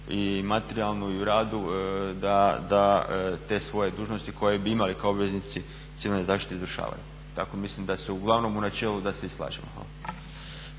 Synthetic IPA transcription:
imat̪eɾialˠnuiuɾaːd̪ud̪ad̪at̪e̞sʋo̞je̞d̪uːʒnost̪iko̞jebiimalikaobʋe̞znit̪si | t̪iʋilnezaːʃt̪i̥t̪eizɾuʃa̰ːʋa̰jṵ | t̪ako̞mislimd̪aseuɡlˠaʋno̞munat͡ʃe̞ːlud̪aseislˠa̰ːʒemoɛ̰

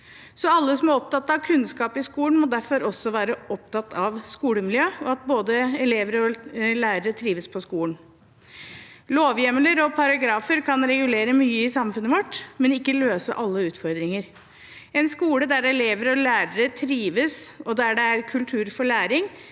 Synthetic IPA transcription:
sɔɑlːəsɔmæɾɔp̚t̪ɑt̪ːɑʋkʰʉnskɑːpɪskuːləɳmɔd̪æɾfɔɾʔɔsːɔʋæːɾəɔpt̪ɑt̪ːɑʋskuːləmɪljøːɔɑt̪̚boːd̪əɛleːʋəɾəɔlæːɾəɾət̪ʰɾiːʋəspʰɔskuːəɳ | loːʋjɛmələɾɔpʰɑɾɑɡɾɑːfəɾkʰɑnɾɛɡʉleːɾəmyːəɪsɑmfʉnəʋɔʈːmɛnɪkːəløːsə̰ʔɑlːəʉːt̪fɔɾd̪ɾɪŋəɾ | ɛnskuːləd̪æɾɛleːʋəɾɔlæːɾəɾət̪ʰɾiːʋəsɔd̪æɖɛæɾkʰʉlt̪ʰʉːɾfɔɭæːɾɪŋ

